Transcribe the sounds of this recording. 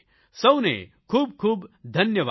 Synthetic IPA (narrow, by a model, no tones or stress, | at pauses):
sɐwnḛ | kʰuːb̚kʰuːbd̪ʱɐnjəʋa